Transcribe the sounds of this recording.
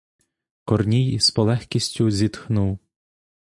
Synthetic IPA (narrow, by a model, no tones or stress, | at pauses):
kɔrnʲijspɔlˠɛxkʲisʲtʲʊzʲit̪xnuw